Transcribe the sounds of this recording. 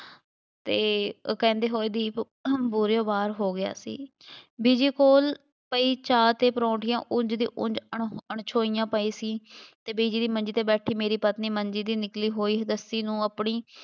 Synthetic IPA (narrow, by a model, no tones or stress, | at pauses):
t̪eːkɛ̃ːnd̪eːɦoːeːd̪iː | buːɾeoːbaːɾɦoːɡɪja̰ːsḭː | biːd͡ʒiːkoːl | pəiːt͡ʃaːt̪eːpɾõːʈʰɪjãːʔʊ̃ɲd͡ʒd̪ḭːʔʊ̰̃ɲd͡ʒəɳəɳt͡ʃʰoːijãːpəiːsiːt̪eːbiːd͡ʒiːd̪iːmənd͡ʒiːt̪eːbɛːʈʰiːmeːɾiːpət̪niːməɲd͡ʒiːd̪iːnɪkliːɦoːiːɦəd̪əsiːnũːəpɳiː